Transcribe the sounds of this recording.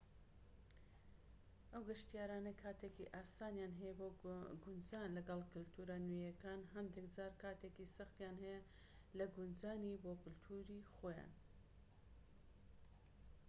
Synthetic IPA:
ʔɐwɡɐʃt̪ijaːɾaːnɐkʰaːt̪ʰekiʔaːsaːnjaːnɦɛjɛboɡʊnd͡ʒaːnlɐɡɐlˠkʊlt̪ʰuːɾanujɐkaːnɦɐnd̪ekd͡zaːɾkʰaːt̪ʰeːkisɐχt̪jaːnɦɛjɛ | lɐɡʊnd͡zaːniboːkʰʊlt̪ʰuɾixoːja̰ːn

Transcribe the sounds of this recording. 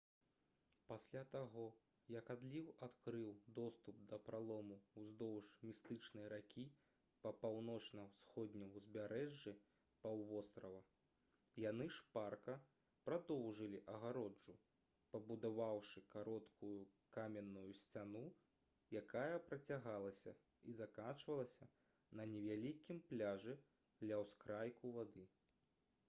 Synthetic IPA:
pasʲlʲat̪aɣɔ | jɐkad̪lʲiwat̪kɾɨwd̪ɔst̪up̚d̪ɐpɾalˠɔmuwzd̪ɔwʂmʲist̪ɨt͡ʂnɨjɾakʲʰi | pɐpawnɔt͡ʂnɐwsxɔd̪ʲnʲɐwzʲbʲaɾɛʐːi | pawvɔst̪ɾɐvɐ | jan̪ɨʂparkɐ | pɾad̪ɔwʐɨlʲiʔɐɣaɾɔd͡ʐu | pɐbud̪avawʂɨkaɾɔt̪kʰujukamʲɛnːujusʲt͡sʲanu | jakajɐpɾɐt͡sʲaɣalˠɐsʲɐ̰ | izakat͡ʂvɐlˠɐsʲɐ | nɐnʲɛvʲalʲikʲimplʲaʐɨ | d̪lʲɐwskɾajkuvad̪ɨ

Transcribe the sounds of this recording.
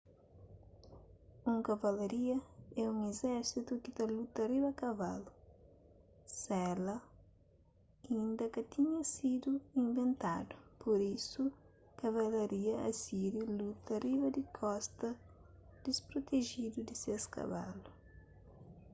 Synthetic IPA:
ũŋkɐvɐlɐɾiɐɛũŋezɛɾsit̪ukit̪ɐlut̪ɐriβɐkɐva̰lu | sɛlɐ | ĩnd̪ɐkɐt̪iɲɐsid̪uĩɱvẽnt̪a̰d̪upʰoɾisu | kɐvɐlɐɾiɐɐ̰siɾilut̪ɐrivɐd̪ikʰɔst̪ɐ | d̪̥ispɾot̪eʒid̪ud̪iseskɐ̰va̰lu

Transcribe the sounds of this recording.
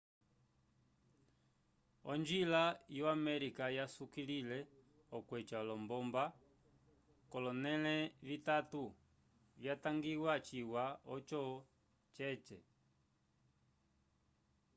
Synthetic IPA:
ɔ̰nd͡ʒilajɔamɛɾikajasukililɛ | ɔkwɛt͡ʃalɔmbɔmba | kɔlɔnɛlɛvitatu | vjataŋɡiwat͡ʃiwaɔt͡ʃɔ | t͡ʃɛt͡ʃɛ

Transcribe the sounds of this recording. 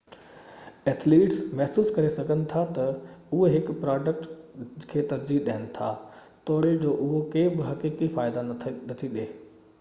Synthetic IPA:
ɛːt̪ʰliːʈsmɛɦsuːskɐɾesɐɡʱənɪ̆t̪ʰat̪ɐʊɦeɦɪkpɾaːɖək̚ʈkʰeːt̪ɐɾziɗaɦənɪ̆t̪ʰaː | t̪oːɽed͡ʑoːʔʊɦokeːbɪɦɐkiːkifaːɪd̪anɐt̪ʰiɗ̪eː

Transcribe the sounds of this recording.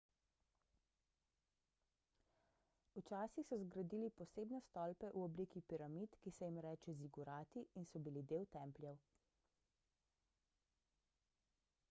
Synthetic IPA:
ut͡ʃaːsixsɔzɡɾad̪iːlipɔseːbnɛst̪ɔːlpɛʔuɔbliːkipiɾamit̪kisɛjimɾɛːt͡ʃɛziɡuɾaːt̪iinsɔbilid̪eːwt̪ɛmplʲjɛw

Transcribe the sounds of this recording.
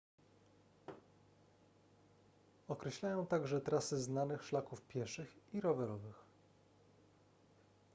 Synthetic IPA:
ɔkɾɛɕlajɔ̃w̃t̪aɡʐɛt̪ɾasɘznanɘxʂlakufpʲjɛʂɘxiɾɔvɛɾɔvɘx

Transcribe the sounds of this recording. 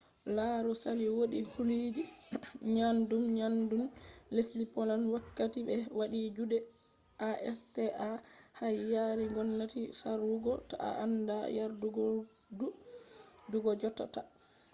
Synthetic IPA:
laɾɔsaliwoɗihulid͡ʒiɲandumɲandumleslipɔlanwakːatiɓɛwaɗid͡ʒuɗɛ | ʔaʔɛstɛʔahajjaɾiŋɡɔnːatisaɾuɡɔta̰a̰ʔa̰ndajaɾduɡɔ | u | duɡɔd͡ʒɔtːata

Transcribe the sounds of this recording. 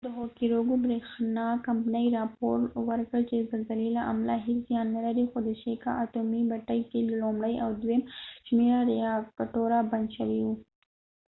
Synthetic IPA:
d̪əɦokiɾoɡubɾexnakampnəjɾɑpoɾwəɾkəlt͡ʃezalzalilaʔa̰mlaɦeszjɑnːalaɾixod̪əʃeka̰ʔat̪umibaʈəjkellomɽəjʔawd̪wemʃmeɾaɾijɑkaʈoɾaband̪ʃawiwu

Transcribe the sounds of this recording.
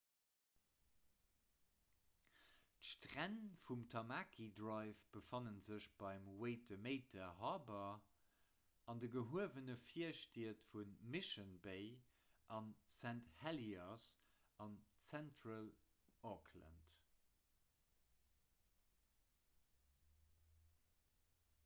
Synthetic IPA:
tʃtʁænfumtʰɑmaːkʰidʁɑɪfb̥əfɑnənzəɕb̥ɑɪmweɪtəmeɪtʰɐɦɑːbɐ | ɑndəɡəɦuəvənəfiɐʃtiɐtfunmiʃənbeɪ | ʔɑnsænthɛlias | ɑnt͡sæntʁəl | ʔɔkʰlə̰nt

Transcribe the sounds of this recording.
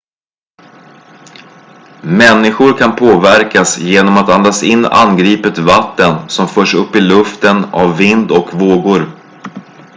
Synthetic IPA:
mɛnːɪɧʊɾkʰanpʰoːvæɾkasjeːnɔmat̪and̪asɪnːa̰nɡɾiːpət̪vat̪ːənsɔmfœːʂɵpːɪlɵft̪ənavːɪnd̪ɔkvoːɡʊɾ

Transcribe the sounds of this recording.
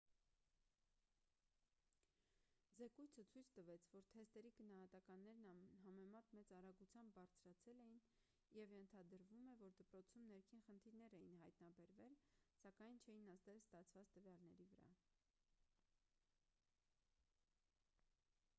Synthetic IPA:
zɛkujt͡sʰət͡sʰujt͡sʰt̪əvɛt͡sʰvɔɾt̪ʰɛst̪ɛɾiɡənɑɦɑt̪ɑkɑnːɛɾnɑɦɑmɛmɑt̪mɛt͡sɑɾɑɡut͡sʰjɑmbːɑɾt͡sʰɾɑt͡sʰɛlɛjin | jɛvjɛnt̪ʰɑd̪əɾvumɛvɔɾd̪əpɾɔt͡sʰumnɛɾkʰinχənt̪ʰiɾnɛɾɛjinɦɑjt̪nɑbɛɾvɛlsɑkɑjnt͡ʃʰɛjinɑst̪ɛlst̪ɑt͡sʰvɑt͡st̪əvjɑlnɛɾivəɾɑ̰

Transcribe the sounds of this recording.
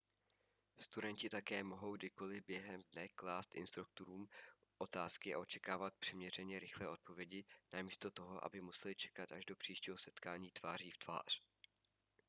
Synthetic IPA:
st̪udɛɲcɪt̪akɛːmoɦo̞wɡdɪko̞lɪbjɛɦɛmdnɛklaːst̪ʔɪ̰nst̪ɾuk̚t̪oɾuːm | ʔo̞t̪aːskɪa̰ʔo̞t͡ʃɛ̥kaːvat̪̚pr̥ɛmɲɛr̝ɛɲɛɾɪxlɛːʔo̞t̪̚po̞vjɛɟɪnamiːst̪o̞t̪o̞ɦo̞ʔa̰bɪmusɛlɪt͡ʃɛ̥kat̪ʔa̰ʒdo̞pr̝̥iːʃciːɦosɛt̪kaːɲiːt̪v̥aːr̝iːft̪v̥a̰ːr̝̥

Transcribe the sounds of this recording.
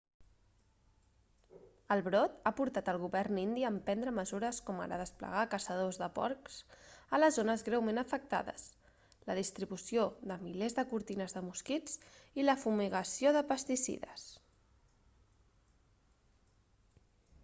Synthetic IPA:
əlˠβɾɔt̪apuɾt̪at̪əlˠɣuβɛrnind̪iəːmpɛnd̪ɾəməzuɾəskɔma̰ɾa̰ðəsplə̰ɣ̞akəsəð̞ozðəpɔ̰ɾksələzonəzɣɾɛwmenəfək̚t̪a̰ðə̰s | ləðist̪ɾiβusioðəmilezðəkuɾt̪inəzðəmuskit͡siləfumiɣəsioðəpəst̪isḭðəs

